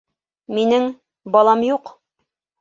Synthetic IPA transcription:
minɘŋ | bɒlˠɑmjuq

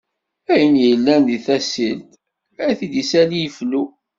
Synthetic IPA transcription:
æjənjəlːænðiθæsilt̪ | θid̪isælijəflu

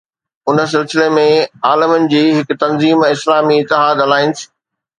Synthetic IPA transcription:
ʊnə̆s̬ɪlsɪlemẽaːlɪmənɪ̆d͡ʑiːɦɪkt̪ɐnziːmɪslaːmiɪt̪ːɪɦaːd̪ɐlaːɪnɪ̆s

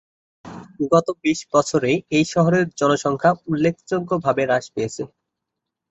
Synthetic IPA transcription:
uɡɔt̪obiʃbɔt͡ɕʰoɾejejʃɔɦoɾeɾd͡ʑɔnoʃɔŋkʰaulːekʰd͡ʑoɡːobʱabeɾaʃpeet͡ɕʰe

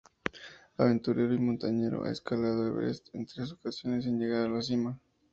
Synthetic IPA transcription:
aβe̞nt̪uɾe̞ɾoimont̪aɲe̞ɾo̰ʔa̰ḛskalað̞oelβɾḛst̪ḛnt̪ɾes̬okasjo̞nes̬enʝeɣ̞aɾðalas̬ima

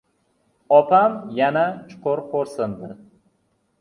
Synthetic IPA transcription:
ɒpʰamjanat͡ʃʰʊ̥qʊɾqʰoɾsɨnd̪ɪ

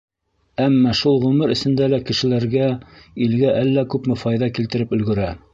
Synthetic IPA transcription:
æmːɑʃulˠʁɵmɘɾɘ̆sɘ̆nd̪ælækɘ̆ʃɘ̆læɾɡæilɡæʔælːækʉpmɘfɑjðɑkilt̪ɘ̆ɾɘpɵ̆lɡɘ̆ɾæ

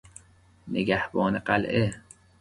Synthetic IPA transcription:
neɡæhbɒːneɢælʔe

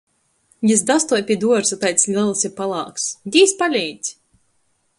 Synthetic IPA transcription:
jɨs̬d̪ast̪uɔjpʲid̪uɔɾsut̪ajt̪sʲlʲilˠsiɾpalˠɑːksd̪ʲiːspalʲɛːjdt̪sʲ

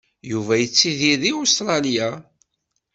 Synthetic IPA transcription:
juvæjət͡sːiðiðiost̪ɾˤɑlja

